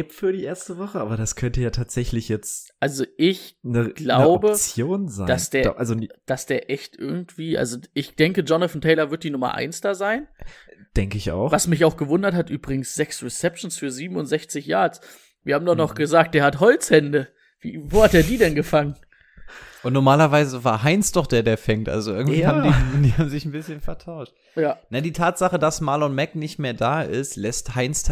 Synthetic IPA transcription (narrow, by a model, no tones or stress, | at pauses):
ɪpfyːɐɾiːʔeːɐstəvɔχəʔaːbɐɾaskʰœntəjaːtʰaːtz̥ɛçlɪçjɛt͡sʔalzoʔɪçnə̥laʊbət͡sjjoːnzaɪ̥asd̥eːɐʔalzod̥asd̥eːɐʔɛçtʔɪɐɡŋ̩tv̥iːʔa̰lzoʔɪçd̥ɛŋkəd͡ʒɔnəfn̩tʰɛɪlɐvɪɐt̚d̥iːnʊmɐ̰ʔa̰ɪnsd̥azaɪnd̥ɛŋkəɪça̰ʊxvasmɪçaʊxɡ̥əvʊndɐthatʔyːbʁɪɡŋ̩sz̥ɛksʁɛsɛpʃn̩sfyːɐziːbm̩ʊntz̥ɛçt͡sɪçjaːɐt͡s | viːɐhaːbm̩daχnɔχɡ̥əzaːk̚t̚d̥eːɐhatɦɔlt͡shɛndə | viːvoːhat̚d̥eːɐdiːdɛnɡəfaŋən | ʔʊntnɔɐmaːlɐvaɪzəvaːɐɦaɪnsd̥ɔχd̥eːɐdeːɐfɛŋtʔa̰lzoʔɪɐɡŋtviːhaːmdid̥iːhaːbm̩zɪçn̩bɪsçənfɛɐtʰaʊʃt | jaːnajadiːtʰaːtz̥aχədasmalɔnmɛknɪçtmeːɐdaːʔɪstlɛsthaɪnstʰ